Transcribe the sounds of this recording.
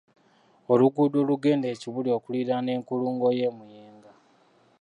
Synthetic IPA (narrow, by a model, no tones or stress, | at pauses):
o̞luɡudo̞ːluɡe̞ːnde̞ːciβulio̞ːkuliɾane̞ːŋkuluːŋɡo̞jemujeːŋɡa